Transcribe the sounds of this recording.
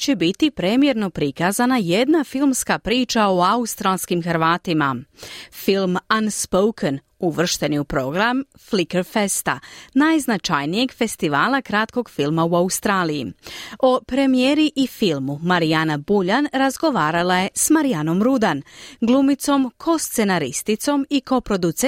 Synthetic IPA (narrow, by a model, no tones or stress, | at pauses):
t͡ɕebit̪ipɾe̞mje̞ɾno̞pɾikazanaje̞d̪nafilmskapɾiːt͡ʃao̞aust̪ɾalˠskimxɾʋaːt̪imafilˠmanspowkʰən | uʋr̩ʃt̪e̞niupɾo̞ɡɾamflikeɾfe̞st̪a̰najznat͡ʃajnije̞ɡfe̞st̪iʋaːlˠakɾat̪ko̞ɡfilˠmauaust̪ɾaːlijḭo̞pɾe̞mije̞ɾiʔifilˠmumaɾijanabuʎanɾazɡo̞ʋaːɾalˠaje̞smaɾijano̞mɾud̪anɡlˠumit̪so̞mkʰo̞st̪se̞naɾḭst̪it̪so̞miko̞pɾo̞d̪ut̪se